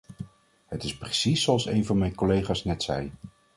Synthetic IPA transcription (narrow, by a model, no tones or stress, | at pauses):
hətɪspresisːoɑlˠsejnvɑnmɛjnkolejχaːsnɛtsɛ̰j